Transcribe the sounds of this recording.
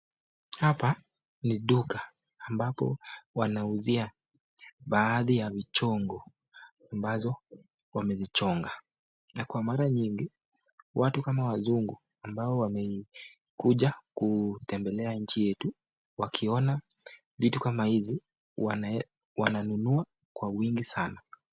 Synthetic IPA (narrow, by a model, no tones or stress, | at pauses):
hapa | niɗukaː | mbapɔ̰wanauzia | ɓaːðijavit͡ʃɔŋɡɔ | ambazɔ | wamɛzit͡ʃɔŋɡa | nakwamaɾaɲiŋɡi | watukamawazuŋɡu | ambaɔwamɛ | kuʄakutɛmbɛlɛaɲ̩t͡ʃijɛtu | wakʰiɔna | vitukamahizi | wananunua | kwawiŋɡisana